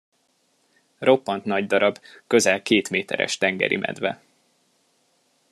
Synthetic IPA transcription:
ro̞pːɒnt̪nɒɟd̪ɒɾɒbkø̞zɛlkeːt̪meːt̪ɛ̰ɾɛ̰ʃt̪ɛŋɡɛ̰ɾimʔɛ̰d̪vɛ

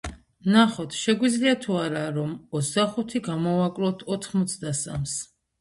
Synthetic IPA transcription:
naχɔt̪ʰʃɛɡwid̪zliat̪ʰuaɾaɾɔmɔt̪sʰd̪aχut̪ʰiɡamɔvakʼlɔt̪ʰɔt̪ʰχmɔt̪sʰd̪asams

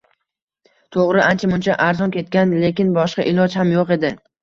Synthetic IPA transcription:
t̪ʰoʁɾɪʔant͡ʃʰamʊnt͡ʃʰaʔaɾzɒnkʲe̞t̪̚kʲanle̞kʲɪnbɒʃqɑʔɪlˠɒd͡ʒhamjoqe̞d̪ɪ

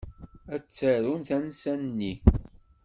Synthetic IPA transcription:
æt͡sːəɾunθænsænnːi

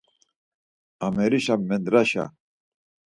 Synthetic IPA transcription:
amɛɾiʃamːɛnd̪ɾaɕa̰

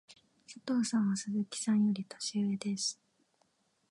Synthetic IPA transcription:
sat̪o̞ːsãɰ̃βasɨzɨkʲi̥sãɲ̃jo̞ɾʲit̪ḁɕiɯed̪e̞sɨ̥

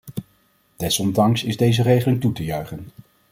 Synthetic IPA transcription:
d̥ɛsɔndɑŋsɪzdejzərejχəlɪŋtutəjœɥχən

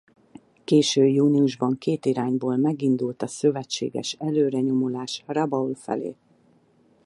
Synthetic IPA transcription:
keːʃøːjuːniuʒbɒŋkeːt̪iɾaːɲboːlmɛɡind̪ult̪ɒsø̞vɛt͡ʃːḛːɡɛ̰ʃɛløːɾɛɲo̞molaːʃrɒbɒulfɛ̰lḛː

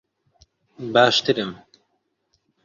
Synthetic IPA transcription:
baːʃt̪ɨɾɨm

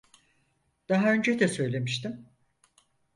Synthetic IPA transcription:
d̪̥aɦaø̞nd͡ʒed̪ɛsø̞jlʲe̞miʃt̪im

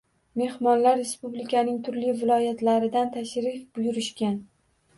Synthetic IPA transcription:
me̞hmɒnlaɾːe̞spublɪkʲʰanɪŋt̪ʰʊɾlɪvɪlˠɒjat̪laɾɪd̪ant̪ʰaʃɾɪfbʊjʊɾɪʃkʲan

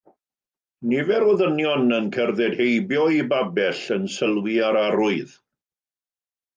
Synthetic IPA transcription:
nɪvɛɾɔðənjɔnənkʰɛrðɛd̥hejbjɔibabɛɬənsəlˠwiaɾaɾʊɨð

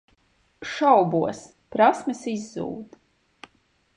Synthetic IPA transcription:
ʃawbuɔs | pɾasmɨsizːṵːd̪

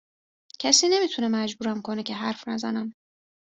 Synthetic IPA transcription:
cʰæsiːne̞miːt̪ʰunemæd͡ʒbuːɾæmkʰonecʰe̞ɦæɾfnæzæ̰næm

